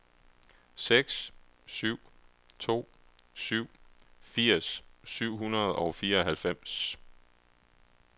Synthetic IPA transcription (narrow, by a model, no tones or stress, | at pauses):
seɡ̥s | syʊ̰ | t͡sʰo̝̰ː | syʊ̰fiɐ̰ssyʊ̰ɦunɐð̞̩ˠɒʊfiːɐ̽ɦælfem̰s